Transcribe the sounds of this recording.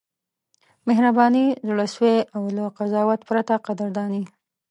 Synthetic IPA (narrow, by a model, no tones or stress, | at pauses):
mɪɦɾabɑnizɽəsweʔawlaqazɑwat̪pɾat̪aqad̪əɾd̪ɑni